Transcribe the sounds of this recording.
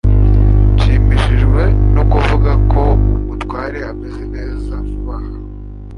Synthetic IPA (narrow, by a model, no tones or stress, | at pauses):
t͡ʃiːmiʃiʒɡwe̞nukuvuɡakʰo̞umutwaːɾehamezene̞ːzamuβaha